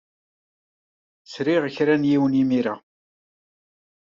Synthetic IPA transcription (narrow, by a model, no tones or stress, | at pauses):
sɾiʁəçɾænjiwənjimiɾa